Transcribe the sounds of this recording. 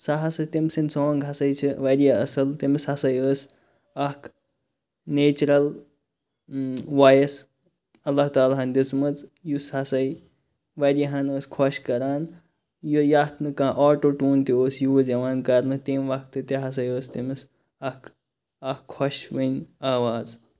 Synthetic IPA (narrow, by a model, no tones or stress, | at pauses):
saɦɐsɐt̪ʲimsinʲsoːŋɡɦɐsɐjt͡ʃʰiʋɐɾijaɐsɐlt̪emishɐsɐjəːs | ɐk | neːt͡ʃɾɐl | ʋajɐs | ɐlːaɦt̪aːlaɦɐnʲd̪it͡smɨt͡sjusɦɐsɐj | ʋɐɾjaɦɐnəːskʰɔʃkɐɾaːn | jujaːt̪nɨkãʔaːʈoːʈuːnt̪ioːsjuʋɐzɐʋaːnkɐɾnɨt̪eːmʋɐkt̪ɨt̪ɐɦɐs̬ɐjəːst̪imɨs | ɐk | ɐkʰːɔʃʋənʲaːʋaːz